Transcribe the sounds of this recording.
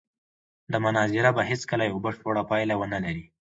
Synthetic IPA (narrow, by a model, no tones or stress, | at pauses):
d̪əmʊnɑzɪɾabaɦɪskəlajawbəʂpoɽapɑjlawənalaɾi